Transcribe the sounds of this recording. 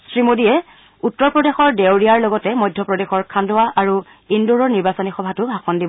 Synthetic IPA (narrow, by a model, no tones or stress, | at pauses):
sɹimodiɛ | utːɔɹpɹɔdexɔɹdewɹiaɹlɔɡɔtɛmɔjdʱːjɔpɹɔdexɔɹkʰandʊwaʔaɹu | induɹɔɹniɹbasɔnixɔbʱatʊbʱaxɔndibɔ